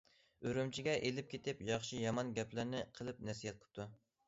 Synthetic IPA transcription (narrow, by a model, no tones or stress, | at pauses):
øɾymt͡ʃʰiɡʲɛʔelɪp̚kʲʰet̪ɪpjɑχʃijɑmɑnɡʲɛplɪɾnɪqʰəlˠɨp̚næɾsijɛt̪̚qʰə̥p̚t̪ʰu